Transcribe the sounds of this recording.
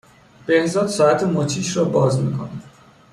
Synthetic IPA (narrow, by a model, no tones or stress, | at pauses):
b̥e̞hzɒːd̪sɒːæt̪ʰemot̪ʰiːʃɾɒːbɒːzmḭːkʰo̰nid